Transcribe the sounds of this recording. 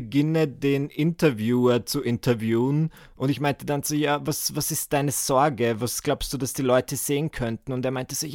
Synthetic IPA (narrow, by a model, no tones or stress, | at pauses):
əɡɪnədeːnʔɪntɐvjuːɐt͡suʔɪntʰɐvjuːn | ʔʊndɪçmaɪntədanz̥oːjaːvasvasɪst̚d̥aɪnəz̥ɔɐɡəvasɡ̥laʊpstd̥uːdasd̥iːlɔʏtəz̥eːənkʰœntn̩ʊnteːɐmaɪntəzoːj